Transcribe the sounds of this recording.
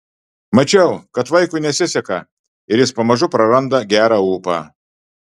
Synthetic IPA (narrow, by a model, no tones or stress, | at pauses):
mɐt͡ʃʲɛʊkɐt̪ʋɐɪkʊɪnʲɛsʲɪsʲɛkɐ | ɪɾʲjɪspɐmɐʒʊpɾɐɾɐnd̪ɐɡʲæːɾɑːuːpɑ̰ː